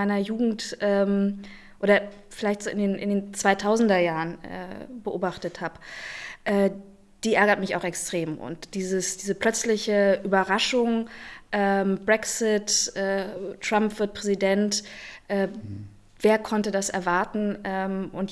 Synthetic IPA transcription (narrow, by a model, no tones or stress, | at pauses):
aɪnɐjuːɡŋ̩tʔɛːm | ʔoːɾɐ | fɪlaɪçtz̥oːʔɪndeːnʔɪ̰ndeːnt͡sv̥aɪtʰaʊzn̩dɐjaːʁənɛ̰ːbəʔoːbaχtəthaːpʔɛː | d̥iːʔɛɐɡɐtmɪça̰ʊxɛkstʁ̥eːmʔʊ̰ntd̥iːzəsd̥iːzəpl̥œt͡slɪçəʔyːbɐʁaʃʊŋʔɛːmbʁɛksɪtʔɛːʁ̥ampv̥ɪɐt̚pʁ̥ɛzidɛntʔɛː | veːɐkʰɔntədasʔɛ̰ɐvaɐtn̩ʔɛːmʔʊnt